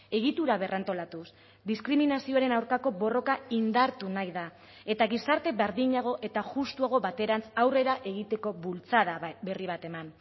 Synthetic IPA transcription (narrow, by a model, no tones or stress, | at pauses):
e̞ɣit̪uɾaβ̞e̞rʔant̪o̞lat̪us | d̪iskɾiminasio̞aɾe̞nawɾkako̞βo̞ro̞kaind̪aɾt̪unajða | e̞t̪aɣisaɾt̪e̞βeɾðiɲaɣ̞o̞ʔe̞t̪aʝust̪uaɣ̞o̞βat̪e̞ɾansawre̞ɾaʔe̞ɣ̞it̪e̞ko̞βult͡saðabe̞riβ̞at̪e̞man